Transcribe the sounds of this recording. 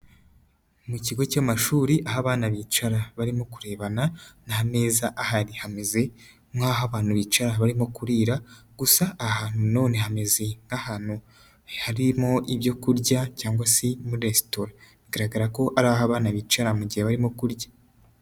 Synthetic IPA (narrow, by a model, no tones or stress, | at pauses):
muciɡo̞camaʃuːɾiʔaɦaβaːnaβit͡ʃaɾaβaɾimo̞kuɾe̞ːβananaɦane̞ːzaʔahaɾihame̞ze̞ | mŋaɦaβaːn̥uβit͡ʃaɾaβaɾimo̞kuɾiːɾaɡ̥usaʔːhaːn̥huno̞ːne̞ɦame̞ze̞ŋɡahaːn̥u | haɾimo̞ʔiβjo̞kuɾɟacaːŋɡwasemuɾiɾestoɾa | iɡaɾaɡaɾako̞ʔaɾaːβaɦaβaːnaβiːt͡ʃaɾamuɟiheβaɾimo̞kuɾɟa